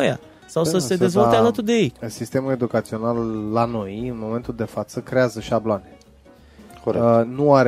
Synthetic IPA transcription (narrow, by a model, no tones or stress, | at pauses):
ja̰ | sawsəe̞d̪e̞zvolealət̪urd̪e̞jejsist̪e̞mule̞d̪ukat̪sio̞nalːano̞jɨnmo̞me̞nt̪uld̪e̞fat̪səkɾe̞azəʃiabloane | konuaɾ